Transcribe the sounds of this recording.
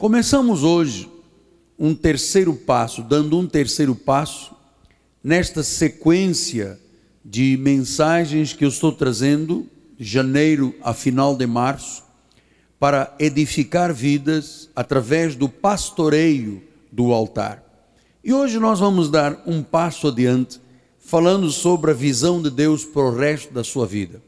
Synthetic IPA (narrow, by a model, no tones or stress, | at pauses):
kõmesɐ̃mʊzoʒɪ | ũt̪eɾsejɾʊpasʊd̪ɐ̃nd̪ʊũt̪eɾsejɾʊpasʊ̥ | nɛst̪ɐsekwẽsiɐ | d͡ʒɪmẽsaʒẽj̃skɪewɪst̪owt̪ɾazẽnd̪ʊ | ʒɐnejɾʊɐ̰finawd̪ɪmaɾsʊ̥ | paɾɐed̪ifikaɾvid̪ɐzat̪ɾavɛzd̪ʊpast̪oɾejʊ | d̪ʊawt̪a̰ɾ | ɪoʒɪnɔzvɐ̃mʊzd̪aɾũpasʊɐd̪iɐ̃nt̪ɪ̥ | falɐ̃nd̪ʊsobɾɪɐvizɐ̃w̃d̪ɪd̪ewspɐɾʊʁɛst̪ʊd̪ɐsuɐvḭd̪ɐ